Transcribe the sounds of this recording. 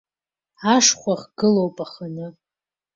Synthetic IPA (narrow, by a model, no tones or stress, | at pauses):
aʂχʷaχɡ̥ɨlowpʼaχanɨ